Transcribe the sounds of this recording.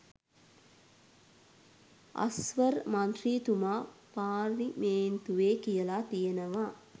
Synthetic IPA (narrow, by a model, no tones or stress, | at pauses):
a̰sʋəɾmant̪riːt̪umaːpaːʋimeːnt̪uʋeːkijəlat̪ijənəʋaː